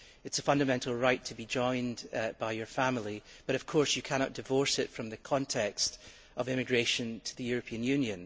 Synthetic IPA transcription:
ɪtsəfʌ̃ndəmɛ̃nʔl̩ˠɹaɪtʰəbid͡ʒɔ̃ɪ̃nb̥aɪjə˞fãml̩ˠib̥ʌɾʌv̥kʰɔɹsjɨkʰañɔʔd̥ɪvɔɹsɪtfɹʌ̃mðɨkʰɔ̃ntʰɛkst | əvɪ̃mɪɡɹeʃə̃ntʰəðɨjʉɹɨpʰiə̃njʉ̃njə̃n

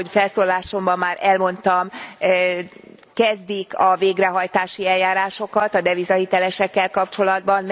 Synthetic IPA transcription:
ofɛlsoːlaːʃo̞mbɒmːaːɾʔɛlmo̞n̪t̪ɒm | kɛzd̪ikɒveːɡrɛɦɒjt̪aːʃiɛlːaːɾaːʃo̞kɒt̪ɒd̪ɛvizɒhit̪ɛlɛʃɛkːɛlkɒpt͡ʃo̞lɒd̪bɒnm

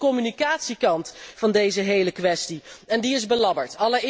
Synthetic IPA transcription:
kɔmynikaːtsikɑntfɑndejzəɦejləkʋɛstiɛndiɪzbəlɑbəɹtɑlə

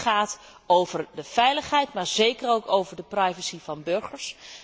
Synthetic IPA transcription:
χaːt | owv̥əɹdəv̥ɛjləχɦɛjtmaːɹzejkəɾowkowvəɹdəprɑjvəsivɑnbɵɹχəɹs

